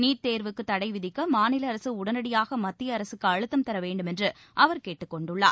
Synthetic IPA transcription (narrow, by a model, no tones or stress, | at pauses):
niːʈ̚t̪eːɾʋɯkːɯt̪ːɐɽɐɪʋɪðɪkːɐmaːnɪlɐːɾɐsɯʊɽɐnɐɽɪjaːɣɐmɐt̪ːɪjɐːɾɐsɯkːɯɐɻɯt̪ːɐmt̪ɐɾɐʋeːɳɖɯmɛndrɯ | ʔɐʋɐɾkeːʈːɯkːɔɳɖɯɭːa̰ːɾ